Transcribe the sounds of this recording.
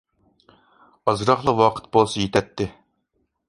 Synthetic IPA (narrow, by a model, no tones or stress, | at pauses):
ɑzɾɑχlˠəqwɑqʰə̥t̪̚bolˠsɑjet̪ʰɛt̪ʰːɪ